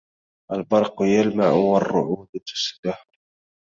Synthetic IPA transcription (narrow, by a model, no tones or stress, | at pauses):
ʔalbɑɾˤqjalmaʕwɑrːʊʕuːd̪t̪ʊ̥sd̪aħ